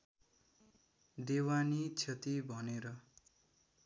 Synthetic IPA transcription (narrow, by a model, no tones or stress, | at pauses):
d̪ewanit͡sʰʌt̪ibʱʌneɾʌ